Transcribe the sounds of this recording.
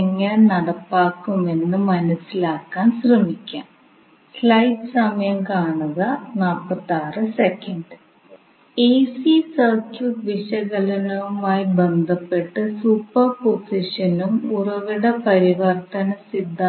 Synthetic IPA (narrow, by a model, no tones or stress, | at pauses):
eŋːɐɭenɐɽɐpːaːkːume̞nːɨmɐnɐsːilaːkːaːnɕrɐmikʲːa̰ːm | slɐjʈɨsɐmɐjɐmkaːɳuɣɐnaːlpːɐt̪ːaːrɨsekːɐɳɖɨ | eːsisɐrkuʋiʂɐɣɐlɐnɐʋumaːjibend̪ʱɐpːe̞ʈːɨsupːɐrposiʂɐnumurɐʋiɽepɐɾiʋɐrt̪ɐnɐsid̪ʱːa